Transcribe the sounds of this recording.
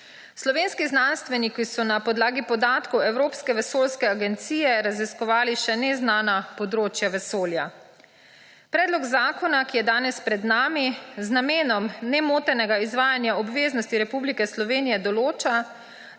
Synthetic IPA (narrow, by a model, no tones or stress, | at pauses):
slɔʋeːnskiznanst̪ʋɛnikisɔnapɔd̪laːɡipɔd̪aːt̪kɔwɛwɾoːpskɛʋɛsoːlskɛaɡɛnt̪siːjɛɾaziskɔʋaːliʃɛnɛznaːnapɔd̪ɾoːt͡ʃjaʋɛsoːlja | pɾɛːd̪lɔɡzaːkɔnakijɛd̪aːnɛspɾɛd̪naːmiznameːnɔmnɛmoːt̪ɛnɛɡaizʋaːjanjaɔbʋeːznɔst̪iɾɛpublikɛslɔʋeːnijɛd̪ɔloːt͡ʃa